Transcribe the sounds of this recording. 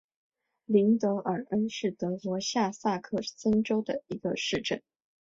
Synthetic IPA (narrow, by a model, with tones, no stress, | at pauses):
li˧˥ŋt̪ɤ˧˥ʔə˞˨˩ə˥nʂɻ̩˥˩t̪ɤ˧˥kwɔ˧˥ɕja˥˧sa˥˧kʰɤ˥˩sə˥nʈ͡ʂo˥ʊd̪ə˨˩i˧˥ɡə̰˧ʂɻ̩˥˧ʈ͡ʂə̰˥˩n